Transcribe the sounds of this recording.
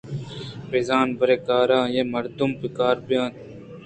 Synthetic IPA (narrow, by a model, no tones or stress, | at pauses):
pezaːnbɐɾekaːɾãːjemɐɾd̪umpikaːɾbijãːn